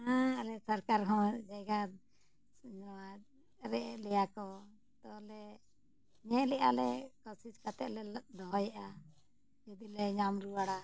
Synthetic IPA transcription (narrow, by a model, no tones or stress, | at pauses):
aalɛsəɾkaɾɦɔ̃d͡ʒaɡa | ɔwa | ɾɛʔlɛjakɔ | t̪ɔlɛ | ɲɛʔlɛʔa̰lɛkɔsiskat̪ɛ̰ʔlɛd̪ɔɦɔjaʔa | d͡ʒud̪ilɛɲamɾuwaɽa